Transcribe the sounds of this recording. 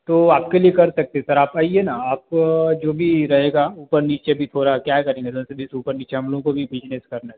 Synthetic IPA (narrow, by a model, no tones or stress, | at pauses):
t̪oːaːp̚keliekɐɾsɐk̚t̪eɦɛ̃sɐɾaːpaːienaaːp̚d͡ʒoːbʱiɾɐɦeːɡauːpəɾniːt͡ʃebʱit̪ʰoːɾakjaːɦkɐɾẽːŋɡed̪õsebɪsuːpəɾniːt͡ʃeɦɐ̃mloɡõkobʱibʱɪd͡ʒneskɐɾna